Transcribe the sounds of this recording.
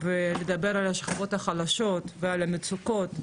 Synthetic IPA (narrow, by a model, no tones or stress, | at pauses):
veled̪abeɾalaʃχavo̞t̪haχalaʃot̪vealamet͡suko̞t̪